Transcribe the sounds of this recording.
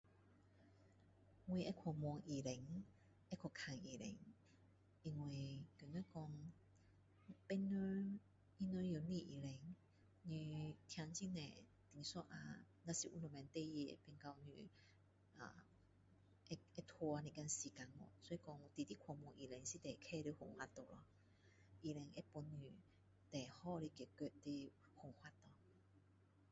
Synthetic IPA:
ŋwi˧ʔɛ˧kʰɔ˨˩mwɔ˧ŋʔi˨˩le˨˦ŋ | ɛ˦˧kʰɔ˨˩kʰa˨˧˩ŋi˨˩lḛ˨˦ŋ | i˧ŋwe˨˩ke˨no˧˦˨kɔ˧ŋ | pɛ˧nə˧ | i˧nə˧jo˨˩nĩ˧˨ʔi˨le˨˦ŋ | ɲi˧t̪ʰja˧ŋt͡ɕi˧˥nɛ̰˨ | t̪i˧˨ŋsɔ˦ʔa̰˧ | nã˧si˨ʔu˧nɔ˨˩mɛ̃˨˧nt̪e˥˧ji˧ḛ˨pe˧nka˧wny̰˧˨ | ʔa̰˨˩ | e˧ɛ˧t̪ʰo˧a˧nĩ˨˩ka˧nsi˨˩ka˨˧˦ŋɔ̰˨˧˦sɔ˧˦i˧kɔ˧ŋ˧t̪i˨t̪i˦˥kʰɔ˨˧˨mɔ˧ʔi˨˩lɛ˨˦ŋsi˧˦t̪ɛ˨kʰɛ˥˧ɾe˧ho˨˩ŋhwa˧t̪o˨lɔ̰˧ | ʔi˨lɛ˨˧˦ŋʔe˦pu˧nːy˨˩ | t̪ɛ˨˩hɔ˥˧ɾe˧ki˨˩ke˧te˧ | ho˨˩ŋhwa˧t̪ːɔ˨

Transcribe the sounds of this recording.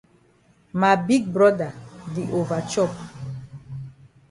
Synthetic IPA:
ma˨bi˦ɡ̚bɹɔ˦da˨di˨ʔo˨va˨t͡ʃɔ˦p

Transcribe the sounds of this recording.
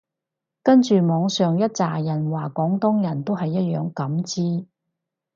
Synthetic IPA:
kɐ˥nt͡ʃyː˨mɔː˨˧ŋsœː˨ŋjɐ˥t̚t͡saː˨jɐ˨˩nwaː˨kɔː˨˥ŋt̪ʊ˥ŋjɐ˨˩nt̪o˥wɦɐ˨jːɐ˥t̚jœː˨ŋkɐ˨˥mt͡siː˥

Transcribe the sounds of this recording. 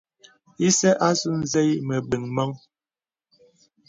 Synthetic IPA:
i˦sɛ˦ʔa˦zu˦n˦zɛ˦jmə˨ɓi˨ŋmɔ˦ŋ

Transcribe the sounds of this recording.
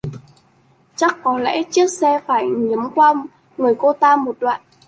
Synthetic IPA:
t͡ɕa˦˥kːɔ˨˦lɛ̰˧˥t͡ɕi˦˥ək̚sɛ˧faː˧˩jɲi˨˦mkwaː˧ | ŋɨ˨˩əjko˧t̪aː˧mo˨˩t̚ɗwa̰ː˧˨n

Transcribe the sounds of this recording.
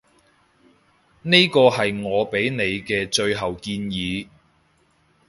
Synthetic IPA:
ne˥kɔː˧hɐ˨jŋɔː˨˧pe˨˥jne˨˧jkɛː˧t͡ʃɵ˧ɥɦɐ˨wkiː˧njiː˨˧

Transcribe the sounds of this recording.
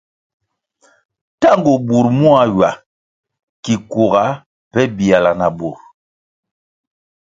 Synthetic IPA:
ta˦ŋɡo˨bu˨ɾmu˦a˨ɥa˨ | ki˨ku˨ɣa˨˦ | pɛ˦bi˨a˨la˨na˨bu˨ɾ

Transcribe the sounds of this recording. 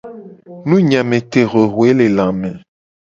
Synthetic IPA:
nũ˦ɲã˨mẽ˨t̪e˨ɣe˨ɣwe˦le˨lã˨mẽ˨

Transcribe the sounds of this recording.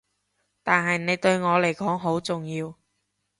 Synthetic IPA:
t̪aː˨nɦɐ˨jne˨˧jt̪ɵ˧ɥŋɔː˨˧le˨˩jkɔː˨˥ŋɦo˨˥wt͡sʊ˨ŋjiː˧w

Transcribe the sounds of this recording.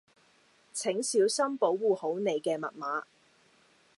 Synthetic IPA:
t͡sʰɪ˨˥ŋsiː˨˥wsɐ˥mpo˨˥wːuː˨˩ho˨˥wne˨˧jkɛː˧mɐ̰˨t̚maː˨˥

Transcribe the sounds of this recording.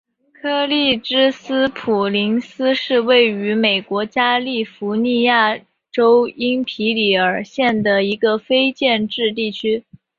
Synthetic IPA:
kʰɤ˥˧li˥˩ʈ͡ʂɻ̩˥sɹ̩˥pʰu˨˩li˧˥ŋsɹ̩˥ʂɻ̩˥˧we˥˩ɪy˧˥me˨˩ɪkwɔ˧˥t͡ɕja˥li˥˩fu˧˥ni˥˧ja˥˩ | ʈ͡ʂo˥ʊi˥ŋpʰi˧˥li˧˩ə˞˨˩ɕjɛ˥˩nd̪ə˩i˧˥ɡə˧fe˥ɪt͡ɕjɛ˥˧nʈ͡ʂɻ̩˥˧t̪i˥˩t͡ɕʰy˥

